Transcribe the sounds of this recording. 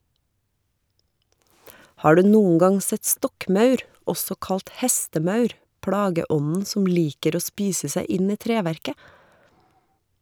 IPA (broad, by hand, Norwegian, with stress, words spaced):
ˈhɑː ˈɖʉː ˈnuːən ˈɡɑŋ ˈsɛt ˈstɔkˌmɑʉɾ ˈɔsɔ ˈkɑlt ˈhɛstəˌmɑʉɾ ˈpɽɑːɡəˌʔɔnn̩ ˈsɔm ˈliːkəɾ ˈoː ˈspiːsə ˈsæɪ ˈɪn ˈiː ˈtɾeːʋæɾkə